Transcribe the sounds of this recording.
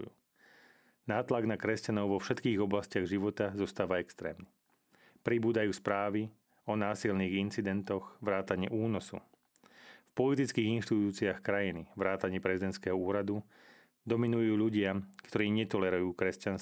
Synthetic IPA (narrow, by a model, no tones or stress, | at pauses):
naːt̪laɡnakɾɛscanɔʊʋɔfʃɛt̪kiːɣɔblascɪaɣʒiʋɔt̪azɔst̪aːʋaɛkst̪ɾɛ̰ːmni | pɾibuːd̪ajuːspɾaːʋi | ɔnaːsilniːɣint͡sid̪ɛnt̪ɔxʋɾaːt̪aɲɪɛ̰ʔuːnɔsṵ | fpɔlit̪it͡skiːɣinʃt̪it̪uːt͡siaxkɾajiniʋɾaːt̪aɲɪɛpɾɛzid̪ɛnt̪skɛɦɔuːɾad̪u | d̪ɔminujuːʎuɟɪakt̪ɔɾiːɲɛt̪ɔlɛɾujuːkɾɛscans